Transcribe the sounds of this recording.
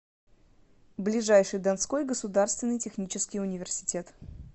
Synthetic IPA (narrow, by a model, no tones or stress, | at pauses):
blʲɪʐajʂɨjd̪ɐnsko̞jɡəsʊd̪arst̪vʲɪnːɨjtʲɪxnʲit͡ɕɪskʲɪjʊnʲɪvʲɪrsʲɪ̥tʲe̞t̪